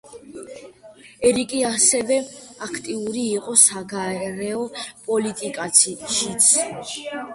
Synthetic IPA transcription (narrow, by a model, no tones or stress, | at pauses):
ɛɾikʼiasɛvɛakʰt̪ʼiuɾiːqʼɔsaɡaɛɾɛɔpʼɔlit̪ʼikʼatsʰiʃit̪sʰ